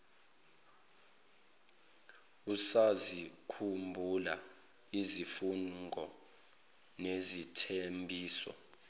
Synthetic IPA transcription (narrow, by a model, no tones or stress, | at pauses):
usazikʰumbʱula | izifuŋɡʱɔ | nezitʰembʱiːsɔ̰